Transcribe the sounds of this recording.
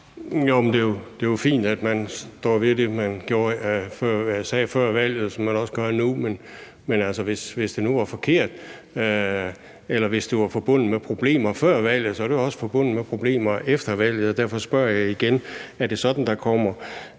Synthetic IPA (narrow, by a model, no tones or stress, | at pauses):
jomnd̥e̝jod̥e̝jofḭːnd̥æd̥mænsd̥ɒ̰ːʋid̥e̝mænɡ̥jo̝ːɐfɶɐ̰sɛːfɶɐ̰ʋæl̰jð̞̩ˠsɒ̽mænɒ̽səɡ̥ɶɐnumen | menæl̰səʋe̝sʋe̝sd̥e̝nuʋɑ̈fɒ̽kʰe̝ɐ̰d̥ | elɐʋe̝sd̥e̝ʋɑ̈fɒ̽b̥ɔ̽n̰ð̩ˠmepʰʁo̝b̥le̝̰ːmɐfɶɐ̰ʋæl̰jð̩ˠsɒɾ̥eɒ̽sə̥fɒ̽b̥ɔ̽n̰ð̩mepʰʁo̝b̥le̝̰ːmɐefd̥ɐʋæl̰jð̩ˠɒd̥æɐ̰fɒ̽sb̥ɶɐ̰jɑ̈ɪiɡ̥enæɐd̥e̝sɒ̽d̥n̩d̥ɑ̈kʰɒ̽m̰ɐ